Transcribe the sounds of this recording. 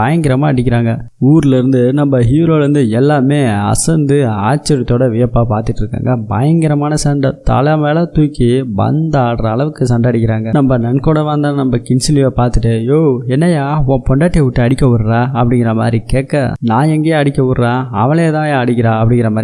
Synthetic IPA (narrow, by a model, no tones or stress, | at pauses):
ɐjɐŋɡɪɾɐmaːɐɽɪkʲːɪɾaːŋɡɐ | uːɾlɪɾɯnd̪ɯnɐmbɐɦiːʋɪɾoːlɐɾɯnd̪ɯɛlːaːmeːɐ̰sɐnd̪ɯaːt͡ʃːɐɾɪt̪ːoːɽɐʋɪjɐpːaːpaːɾt̪ɯʈːɪɾɯkːa̰ːŋɡɐbɐjɐŋɡɪɾɐmaːnɐsɐɳɖɐt̪ɐ̰lɐmeːlɐt̪uːkːibɐ̰nd̪aːɽɐɾɐːɭɐʋɯkːɯsɐɳɖɐɐɽɪkːɪɾaːŋɡɐnɐmbɐnɐnkoːɽɐʋãːnd̪ãːnɐmbɐkɪnsɪlɪʋɐpaːɾt̪ɯʈːɯjoːɛnːɐjaːõːpɔɳɖaːʈːeʋʊʈːɯɐɽɪkʲːɐʋʊɾɾaːɐpːɐɽɪŋɡɪɾɐma̰ːd̪ɾikeːkːɐ̰nãːɛŋɡeːɐɽɪkʲːɐʋʊɾɾãːɐʋɐɭeːt̪ãːjaːɐɽɪkːɪɾaːɐpːɐɽɪ̃ŋɡɪɾɐmaːɾi